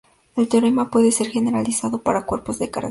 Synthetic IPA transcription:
e̞lt̪eoɾemapwe̞ðe̞se̞ɾxe̞ne̞ɾalisaðo̞paɾakwe̞ɾpo̞zðeka̰ɾ

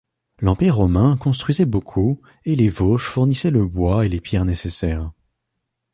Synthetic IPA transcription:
lɑ̃piʁːɔmɛ̃kɔ̃st̪χɥizɛbokʰu | elevoʃfuʁnisɛləbwaelepjɛʁnesesɛːʁ

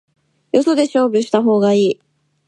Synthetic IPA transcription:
jo̞so̞d̪e̞ɕo̞ːbʲɯɕi̥t̪aɦo̞ːɡaiː

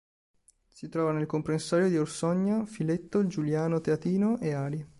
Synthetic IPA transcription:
sit̪ɾɔːvanelkompɾensaːɾjod̪iorsɔɲːafilet̪ːod͡ʒuljaːnot̪eat̪iːnoʔeaːɾi

